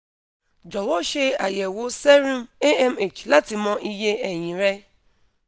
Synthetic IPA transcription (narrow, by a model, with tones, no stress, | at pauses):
d͡ʒɔ˨wɔ˦ʃe˦a̰˨jɛ˨wo˦sɛ˦ɾĩ˦m˦e˦ɛ˦me˨t͡ʃi˨la˦ti˨mɔ̃˧ʔi˦je˦ɛ˨j̃ĩ˨ɾɛ˦